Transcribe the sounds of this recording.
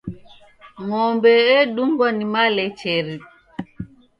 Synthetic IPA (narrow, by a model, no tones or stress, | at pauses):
ŋɔmbɛɛɗumɡɔnimalɛt͡ʃɛɾi